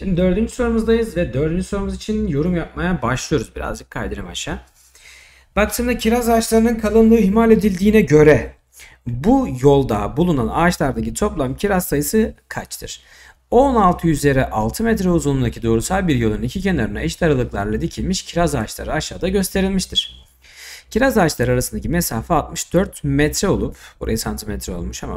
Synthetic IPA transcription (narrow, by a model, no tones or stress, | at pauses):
ʃimd̪id̪ø̞ɾd̪ynd͡ʒyso̞ɾumuzd̪ajɯzvɛd̪ø̞ɾd̪ynd͡ʒyso̞ɾumuzit͡ʃʰinjo̞ɾumjap̚majabaʃlˠɯjo̞ɾuzbiɾa̰zd͡ʒɯkʰːajd̪eɾɯma̰ʃaː | b̥ak̚t̪ʰɯmd̪acʰiɾazaːt͡ʃlˠaɾɯnɯnkʰalˠɯnlˠɯːɦimalʲe̞d̪ilʲd̪iːnɛɟø̞ɾɛ | bujo̞lˠd̪a̰bulˠunana̰ːt͡ʃlˠaɾd̪acʰit̪ʰo̞plˠamcʰiɾassajɯsɯkʰat͡ʃt̪ʰɯ̰ɾ̥ | onalˠt̪ʰɯjyzlʲe̞ɾɛʔalˠt̪ʰɯmɛt̪ɾɛuzunund̪acʰid̪o̞ɾusalˠbiɾjo̞lˠununicʰicʰe̞naɾɯnaɛʃt̪ʲaɾalˠɯklˠaɾlˠad̪icʰilʲmiʃcʰiɾazaːt͡ʃlˠaɾɯaʃaːd̪aɟø̞st̪ʰe̞ɾilʲmiʃt̪ʰiɾ̥ | cʰiɾazaːt͡ʃlˠaɾɯaɾasɯnd̪acʰimesaːfaːt̪̚mɯʃd̪øɾt̪mɛt̪ʰɾɛo̞lˠupbuɾa̰jasant̪ʰimɛt̪ʰɾɛo̞lˠmuʃa̰ma̰